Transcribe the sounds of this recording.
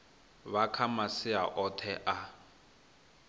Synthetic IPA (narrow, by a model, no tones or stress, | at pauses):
βakʰamasɪaʔɔtʰɛʔa